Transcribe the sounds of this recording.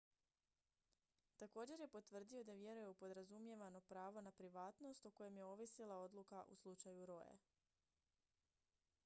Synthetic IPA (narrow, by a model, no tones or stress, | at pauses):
t̪ako̞ːd͡ʑe̞ɾje̞po̞t̪ʋr̩d̪io̞d̪aʋje̞ɾujeupo̞d̪ɾazumje̞ʋano̞pɾaːʋo̞napɾiʋaːt̪no̞st̪oko̞je̞mje̞o̞ʋisilˠao̞d̪lˠukaʔṵslˠut͡ʃajuɾo̞jḛ